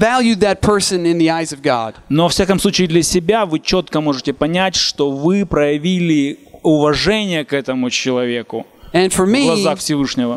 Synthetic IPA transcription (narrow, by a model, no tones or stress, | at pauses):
vælˠjʉðɨt̚pʰɜ˞sɨ̃nɪ̃nðiaɪzʌvɡɑ̰d̥novɐfsʲakəmsˠut͡ɕɪːd̪lʲɐsʲɪbʲavɨt͡ɕot̪kəmo̞ʐɨtʲɪpɐnʲætʲʂt̪o̞vɨpɾəjɪvʲilʲɪʊvɐʐɛnʲɪjəkɛt̪əmʊt͡ɕɪlˠɐvʲe̞kʊ | ɨ̃nfə˞miɡlˠɐzzaxfsʲɪvɨʂnʲɪvə